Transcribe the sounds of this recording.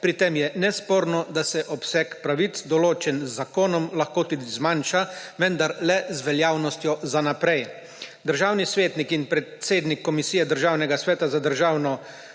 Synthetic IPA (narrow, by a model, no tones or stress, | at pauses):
pɾit̪emjɛnɛspoːɾnɔd̪asɛʔɔpsɛkpɾaʋit̪sd̪ɔloːt͡ʃɛnzːakoːnɔmlaxkoːt̪ud̪izmanʃaʋɛnd̪aɾlɛzʋɛljaːwnɔst̪jɔzanapɾɛj | d̪əɾʒaːwnisʋeːt̪nikinpɾɛt̪seːd̪nikːɔmisijɛd̪əɾʒaːwnɛɡasʋɛːt̪azad̪əɾʒaːwnɔ